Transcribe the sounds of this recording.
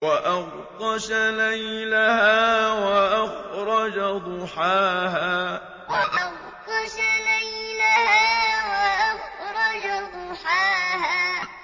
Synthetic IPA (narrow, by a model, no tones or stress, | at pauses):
waʔaɣ | q̪ɑʃalajlahaːwaʔaxɾˤɑd͡ʒad̪ˤʊħaːɦaː | waʔaɣ | q̪ɑʃalajlahaːwaʔaɣɾˤɑd͡ʒad̪ˤʊħaːhaː